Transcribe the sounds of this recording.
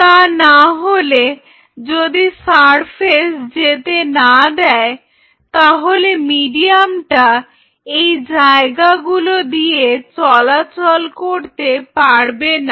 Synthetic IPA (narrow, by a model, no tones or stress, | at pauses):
t̪anaɦole | d͡ʑod̪isaɾpʰesd͡ʑet̪enad̪ɛe | t̪aɦolemiɖiamʈa | ejd͡ʑaeɡaɡulod̪ijet͡ɕɔlat͡ɕolkoɾt̪epaɾbena